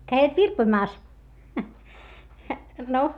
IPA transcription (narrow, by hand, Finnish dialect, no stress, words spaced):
kæiʋæt ʋirpoĭmɑːs no